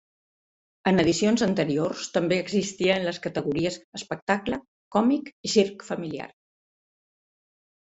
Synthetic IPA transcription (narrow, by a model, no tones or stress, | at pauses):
ənəðisionzənt̪əɾiorst̪əmbeəɡzist̪iəːnləskət̪əɣuɾiəsəspək̚t̪aklə | kɔmikisiɾkfəmilia̰r